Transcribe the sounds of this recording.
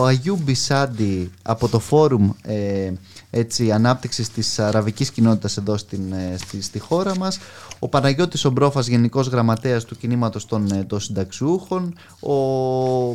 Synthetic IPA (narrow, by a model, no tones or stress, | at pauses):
oɐʝubisɐd̪iɐpo̞t̪o̞fo̞ɾume | e̞t͡siɐnɐp̚t̪iksist̪isɐɾɐviciscino̞t̪it̪ɐse̞ðo̞st̪insist̪ixo̞ɾɐmɐso̞pɐnɐʝo̞t̪ːiso̞bɾo̞fɐzʝe̞niko̞zɣɾɐmɐt̪eɐst̪ucinimɐt̪o̞st̪o̞nd̪osind̪ɐksiuxo̞n | o